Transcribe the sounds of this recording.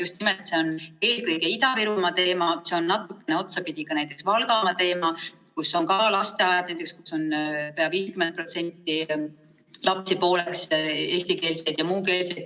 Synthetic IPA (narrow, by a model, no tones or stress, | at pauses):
just̪nimet̪se̞one̞ːlkɤjɡe̞it̪ɑviɾumɑt̪e̞ːmɑse̞onːɑt̪ˑukːˑe̞neo̞t̪sɑpid̪ʲiɡ̥ɑnæjt̪ːˑe̞ksvɑlɡɑmɑt̪e̞ːmɑ | kusːo̞ŋkɑlɑst̪e̞ɑjɑd̪næjt̪eksku̥sːo̞npeɑviːskymen̚prot̪se̞nt̪ːˑi | lɑpsipo̞ːle̞kse̞ːst̪ike̞ːlsed̪̥jɑmuːke̞ːlse̞jd̪̥